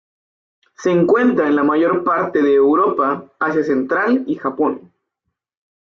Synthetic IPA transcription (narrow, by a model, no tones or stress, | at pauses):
se̞ːŋkwe̞nt̪ɾaenlamaʝo̞ɾpaɾt̪e̞ðeːwɾo̞paːsjase̞nt̪ɾalixapo̞n